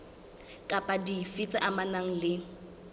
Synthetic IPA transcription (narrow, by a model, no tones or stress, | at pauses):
kʼapʼadifit͡sʼaʔamanaŋ̩lɪ